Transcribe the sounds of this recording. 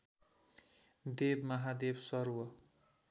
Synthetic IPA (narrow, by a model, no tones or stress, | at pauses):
d̪ebmʌɦad̪ebsʌɾwʌ